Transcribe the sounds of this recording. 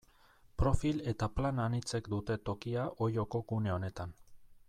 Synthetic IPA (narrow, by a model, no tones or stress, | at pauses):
pɾo̞file̞t̪aplananit͡se̞kd̪ut̪e̞t̪o̞kiaʔo̞jo̞ko̞ɡune̞o̞ne̞t̪an